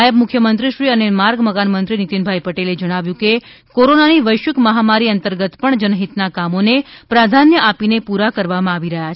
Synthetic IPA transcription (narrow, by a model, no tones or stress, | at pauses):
jəbmʊkʰjəmənt̪ɾiʃɾiənemaɾɡməkanmənt̪ɾinit̪inbʱajpəʈeled͡ʒəɽ̃aʋjũke | koɾonaniʋəjʃəkməɦamaɾiənt̪əɾɡət̪pəɳd͡ʒənɦit̪nakamonepɾad̪ʱanjəʔapinepuɾakəɾʋamãaʋiɾəɦjat͡ʃʰ